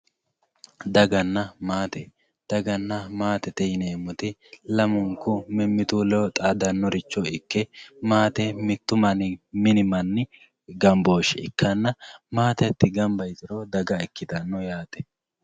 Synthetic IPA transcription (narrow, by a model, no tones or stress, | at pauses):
d̪ɐɡɐnːɐmaːt̪ɛ | d̪̥ɐɡɐnːɐmaːt̪ɛt̪ɛjneːmʊt̪ɪlɐmʊŋkʊmɪmːɪt̪ulɛt̪ʼaːd̪ɐnːɔɾɪt͡ʃːɔɪkːɛmaːt̪ɛmɪt̪ːʊmɐnɪmɪnɪmɐnːɪ | ɡɐmbo̞ːʃɛɪ̰kːɐnːɐmaːt̪ɛɐt̪ːɪɡɐmbɐjt̪ɪɾod̪ɐɡɐɪkːɪt̪ɐnːɔjaːt̪ɛ